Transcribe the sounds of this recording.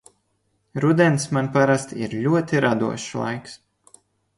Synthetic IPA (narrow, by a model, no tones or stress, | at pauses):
ɾud̪ʲɛnsmanpaɾast̪ḭɾʎʲuɔt̪iɾad̪ṵɔʃlˠa̰jks